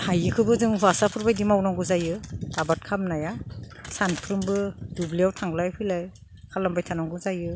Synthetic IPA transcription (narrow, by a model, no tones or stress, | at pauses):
hajɯkʰɯbɯzɯŋʰasapʰɯɾbajdimawnaŋɡɯzajɯtabat̚kʰamnajasanpʰɯɾɯmbɯdubliawtʰaŋɡlajpʰilaj | kʰalambajtʰanaŋɡuzajɯ